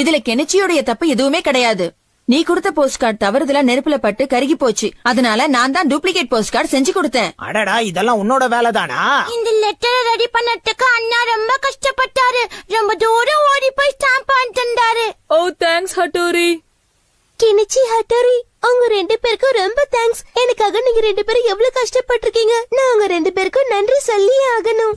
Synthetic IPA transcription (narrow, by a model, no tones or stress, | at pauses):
ɪðɪlɐkːɛnɛt͡ʃːɪjɔɽɐjɐt̪ɐpːɯɛðɯʋɯmeːkɪɽɐjaːðɯ | niːkʊɽɯt̪ːɐpoːsʈkaːʈ̚t̪ɐʋɐɾɐðɯlãːnɛɾɯpːɪlɐpːɐʈːɯkɐɾɯɣipoːt͡ʃːɯɐðɐnaːlɐnãːnt̪ãːɖuːplɪkeːʈ̚poːsʈkaːɖsɛɲd͡ʒɯkɔɽɯt̪ːẽːɐ̰ɽɐɽaːɪðɛlːãːʊnːoːɽɐʋeːlɛt̪aːna̰ːɪnd̪ɐlɛʈːɐɾɐɾɐɽipɐnːɐʈ̪ːɯkːɯɐnːaːɾɔmbɐkɐʂʈɐpːɐʈːaːɾɯɾɔmbɐd̪oːɾɐ̃oːɽipːoːjsʈaːmpaːnʈ̪ɐnd̪aːɾɯoːt̪aːŋkshɐʈːoːɾi | kɪnɪt͡ʃːiɦɐʈːoːɾi | ɐŋɡɐɾɛɳɖɯpeːɾkːɯ̃ɾɔmbɐt̪ʰaːŋksɛnɐkːaːɣɐniːŋɡɐɾɛɳɖɯpeːɾɛʋːɐɭokɐʂʈɐpːɐʈːɪɾɯkːiːŋɡɐnãːʊŋɡɐɾɛɳɖɯpeːɾkːɯ̃nɐndrisɔlːɪjɐaːɣɐnʊ̃